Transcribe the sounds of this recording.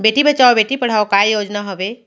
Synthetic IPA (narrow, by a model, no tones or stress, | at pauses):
beːʈibɐt͡ʃaːobeːʈipɐɽ̤aːokajoːd͡ʒnaɦɐʋeː